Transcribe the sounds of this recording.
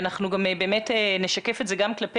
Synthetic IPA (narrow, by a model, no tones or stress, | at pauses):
naχnuɡamebeːmeteneʃakefetzeɡamklape